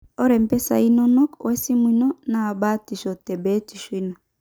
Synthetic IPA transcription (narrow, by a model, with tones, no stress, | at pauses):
ɔ˦ɾɛ˨mpɛ˦sa̰˨i˦nɔ˦nɔ˦kwʔɛ˦si˦mwi˨nɔ˦na˨ba˦ti˨ʃɔ˨tɛ˨bɛ˦ti˨ʃu˦i˦nɔ˨